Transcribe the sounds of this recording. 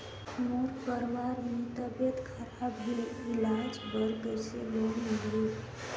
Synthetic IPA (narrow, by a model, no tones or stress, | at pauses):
moɾkəɾʋaɾmit̪əbet̪kʰəɾabɦeleilad͡ʒbəɾɡəsḛlonəɦɾuɾ